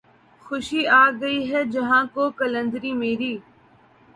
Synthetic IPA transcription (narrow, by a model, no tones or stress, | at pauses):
xʊʃiːaːɡəiɦɛd͡ʒɐɦãːkoːkələ̃nd̪ɾiːmeːɾiː